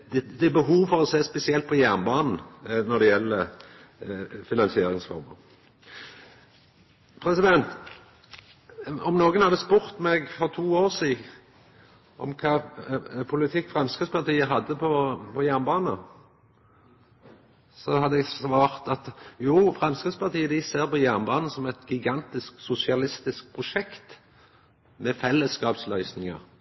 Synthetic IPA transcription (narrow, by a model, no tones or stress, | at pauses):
d̪ɛd̪ɛbəɦuːʋfɔʁɔseːspɛsɪɛlt̪̚pʰɔjæʁnbɑːnn̩nɔd̪ɛjɛlːə | fɪnɑnsɪeːɾɪŋsfɔ̰ɾmə̰ʁ | pʰɾɛsɪd̪ɛnt̪ | ɔmnoːɡənhɑd̪əspʊɾt̪mɛɡfɔʁt̪ʰuːoːʁsiːd̪ | ʔɔ̰mkʰɑːpʰʊlɪt̪ʰɪkːfʁɑmskəspʰɑʁt̪iːəɦɑd̪ːəpʰɔpʰɔjæʁnbɑːnə | sɔhɑd̪əɛɡsʋɑːʁt̪ɑt̪juːfɾɑmskət̪spɑʁt̪ʰiːəd̪ɪseːɾpɔjæʁnbɑːnəsɔmɛt̪ɡɪɡɑnt̪ɪsksʊsɪɑlɪst̪ɪsk̚pʰʁʊʂɛkt̪ | mɛfɛlːəskɑːpslœʏsnɪŋə̰ʁ